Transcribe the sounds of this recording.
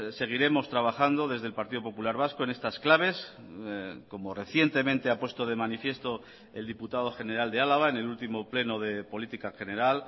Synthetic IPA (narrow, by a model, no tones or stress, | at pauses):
se̞ɣ̞iɾe̞mo̞st̪ɾaβ̞axand̪o̞ðe̞zðe̞lpaɾt̪iðo̞po̞pulaɾβ̞asko̞e̞ne̞st̪asklaβ̞e̞s | ko̞more̞θje̞nt̪e̞mẽnt̪e̞apwe̞st̪oð̞e̞manifje̞st̪o̞ | e̞ld̪iput̪aðo̞xe̞ne̞ɾald̪ealaβ̞aene̞lult̪imo̞ple̞no̞ðe̞po̞lit̪ikaxe̞neɾal